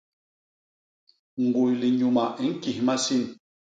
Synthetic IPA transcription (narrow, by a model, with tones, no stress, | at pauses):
ŋ̩˨ɡu˨jli˨ɲu˨ma˨i˦ŋ̩˦ki˨hma˦si˦n